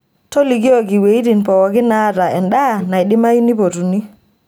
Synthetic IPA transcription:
tɔ˦li˨ɡi˦o˨ɡi˨we˨i˦ti˨npɔ˨wɔ˨ɡi˦na˦ta˨ɛ˨nɗa˦na˨jɗi˦ma˦ju˦ni˦po˨tu˨ni˦

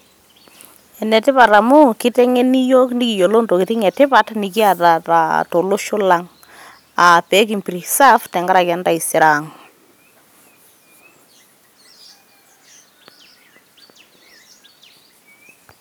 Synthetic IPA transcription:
ɛ˨nɛ˨tɪ˦pa˨ta˨mʊ˦ki˦tɛ˦ŋe˦ni˦jo˦kndi˦ki˨jo˨lo˦nto˨kɪ˨tɪ˦ŋɛ˨tɪ˦pa˦tni˨ki˦a˨ta˨ta̰˨to˨lʊ˦ʃʊ˦la˦ŋ | a˨pɛ˦k̬i˨mpiɾi˨sa˦ftɛ˨ŋɡa˦ɾa˨kja˨˦nda˦˨i˨sɪ˨ɾa˨ŋ

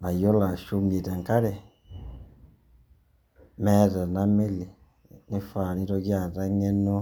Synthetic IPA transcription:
a˨jo˦la˨ʃu˦ŋi˨da˨ŋ˨ka˦ɾe˨ | mɛ˦da˨na˦me˦li˨ | ne˦fa˨ni˦ɾɔ˧ɡi˦a˨da˦ŋe˦nɔ˦

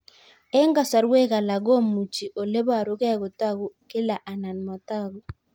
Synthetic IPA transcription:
ɛ˦ŋɡa˦sa˨ɾwe˦ɣa˨la˨ɡɔ˦mu˨t͡ʃi˨ʔo˨le˦ba˨ɾo˦ɣɛ˦˨ɣo˨ta˦ɣo˨kɪ˦la˨ʔa˨na˨n˨mɔ˨ta˦ɣo˨

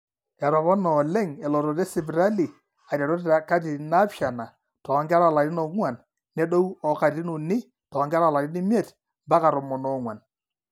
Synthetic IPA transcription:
ɛ˨ɾɔ˨βɔ˦nɔ˨lɛ˦ŋɛ˨lɔ˨ɾɔ˨tɛ˦sɪ˨bɾa˦li˨ | a˨ɾa˨ɾɔ˦tta˨ka˦ti˨na˦pʃa˨na˨ | tɔ˨˦ŋɡa˦ɾa˦˨la˨ɾɪ˦nɔ˨ŋwa˨n | nɛ˦do˦wɔ˨ka˨ɾi˦nu˨nɪ˦ | tɔ˨˦ŋɡa˦ɾa˨la˨ɾɪ˦nɪ˦m˦ɛ˦˨t | mba˦ka˨ɾɔ˨mɔ˨nɔ˨˦ŋwa˨n

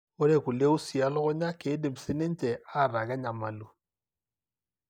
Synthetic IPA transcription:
ɔ˦ɾe˨ku˨le˦u˦si˨a˦lɔ˦ɣɔ˦ɲa˦ke˨˦de˨m̩˨se˦ne˦n˦t͡ʃɛ˨a˦˨ɾa˨ka˦ɲa˨ma˨lu˨

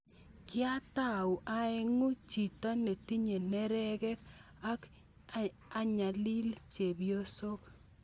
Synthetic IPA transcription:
kɪ˦a˦ta˦˨u˨ʔa˨˦ɪ˦ŋu˦t͡ʃi˨tɔ˦ne˨ti˦ɲe˨nɛ˦ɾɛ˦kɛ˦k | a˦k | a˦ɲa˨li˦lt͡ʃe˨bjo˦so˦k

